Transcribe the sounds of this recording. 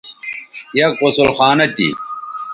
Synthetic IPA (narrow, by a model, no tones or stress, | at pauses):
jɐkosulxaːnɐt̪ḭ